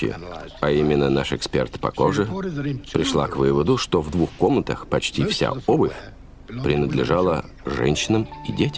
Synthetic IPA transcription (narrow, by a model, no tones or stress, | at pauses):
ɪ̰ | ɐimʲɪnːənaʂɨkspʲe̞̰rt̪pɐ̰koʐɨpɾʲɪʂlˠakvɨvəd̪ʊʂt̪ovd̪vuxko̞mnət̪əxpɐt͡ɕtʲifsʲa̰obɨfʲ | pɾʲɪnəd̪lʲɪʐalˠə | ʐɛ̰nʲɕːɪnəmidʲetʲɪ